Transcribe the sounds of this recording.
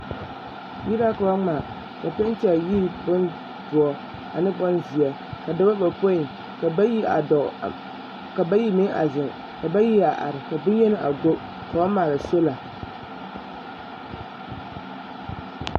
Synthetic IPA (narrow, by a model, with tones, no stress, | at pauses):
ji˦ɾa˦ka˨wa˦ŋ͡ma˨ | ka˨pɛ˦n˦t͡ʃɛ˨ji˦˨bʊ˦n | dʊ˨ɔ˨ | a˨nɨ˦bɔ˦nzi˨ɛ˨ | ka˨da˦ba˦ba˨po˦i˨ | ka˨˦i˦a̰˨dɔ˨ | ka˨ba˦ji˦mɪ˦ŋa̰˨zɨ˨ŋ | ka˨ba˦ji˦a˨ʔa̰˨ɾɪ˨ka˨bɨ˦jɛ˦nɨ˦ʔa˨ɡo˦ | ka˨a˦maː˨la˨so˦la˨